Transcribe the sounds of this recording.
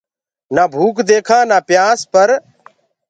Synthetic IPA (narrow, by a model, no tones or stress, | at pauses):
naːbʱuːkd̪eːkʰãːnaːpjaːspəɾ